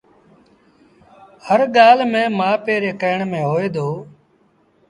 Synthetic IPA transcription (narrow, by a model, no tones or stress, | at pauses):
həɾɠaːlmẽːmãːpeːɾeːkəɦɳmẽːɦoːeːd̪oː